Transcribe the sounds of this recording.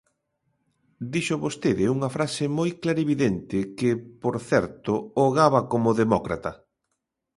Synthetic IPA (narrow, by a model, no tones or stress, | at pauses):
d̪iʃʊβost̪eðɪuŋɐfɾasɪmojklaɾeβiðent̪ɪkɪpoɾθɛɾt̪ʊoɣaβɐkomʊðemɔkɾa̰t̪ɐ